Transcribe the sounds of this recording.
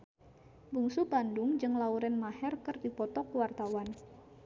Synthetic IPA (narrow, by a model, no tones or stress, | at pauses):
buŋsubandʊŋd͡ʒɨŋlauɾɛnmahɛrkɨrdipɔt̪ɔkuwart̪awan